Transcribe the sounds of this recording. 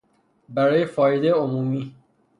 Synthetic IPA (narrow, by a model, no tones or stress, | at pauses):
bæɾɔːjefɒːjed̪ejomumiː